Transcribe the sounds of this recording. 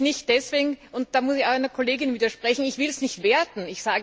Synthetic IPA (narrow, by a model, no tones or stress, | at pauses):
nɪçt̚d̥ɛsv̥eːɡŋ̩ʊnt̚d̥aːmʊsɪçaʊæɪnɐkʰoleːɡɪnviːdɐʃpʁ̥ɛçn̩ɪçv̥ɪlsnɪçtv̥eːɐdn̩ɪçsaːɡ